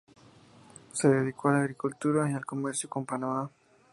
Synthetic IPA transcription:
se̞ðeðikoalaɣɾikult̪uɾajalko̞meɾsjoko̞mpanama

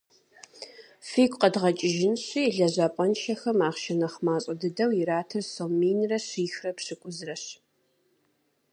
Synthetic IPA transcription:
fiːkʷʼqədʁɐt͡ʃʼɪʒɪnɕiːɮɐʑapʷʼɐnʃɐxɐmaːχʃɐnɐχmaːɕʼɐdɨdɐwjɪɾaːtʰɨrsomiːnrɐɕiːxrɐpɕɪkʷʼʊzrɐɕ

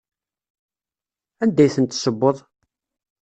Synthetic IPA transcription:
ænd̪æjθənt̪ːsəbːoðˤ

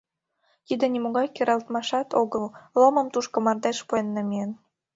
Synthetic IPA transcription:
t̪id̪ĕnʲimoɣɑjkeɾɑlt̪mɑʃɑt̪oɣəlloməmt̪uʃkomɑrt̪eʃpuenːemien

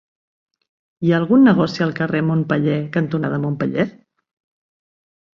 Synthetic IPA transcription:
iaːlˠɣunːəɣ̞ɔsiəlˠkəremompəʎɛkənt̪unaðəmompəʎɛ

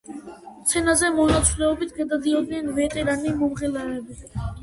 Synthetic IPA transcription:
t̪sʰɛnazɛmɔnat̪sʰʼlɛɔbit̪ʰɡad̪ad̪iɔd̪nɛnvɛt̪ʼɛɾanimɔmʁɛlaɛbi

